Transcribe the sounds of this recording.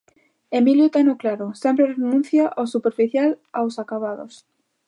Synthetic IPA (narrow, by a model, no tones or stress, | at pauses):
emiljot̪enoklaɾosɛmpɾerenũn̟θjaʔasupeɾfiθjalawsakaβaðo̰s